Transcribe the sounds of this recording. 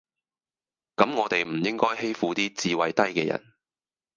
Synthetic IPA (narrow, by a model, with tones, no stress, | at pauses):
kɐ˨˥mŋɔː˨˧t̪e˨jm̩˨˩jɪ˥ŋkɔː˥jɦe˥jfuː˨˧t̪iː˥t͡siː˨wɐ˨jt̪ɐ˥jkɛː˧jɐ̰˨˩n